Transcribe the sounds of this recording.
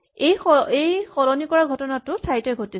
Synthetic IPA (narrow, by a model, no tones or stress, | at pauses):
ejejxɔɹɔnikɔɹaɡʱɔtɔnatʊsʰajtɔjɡʱoti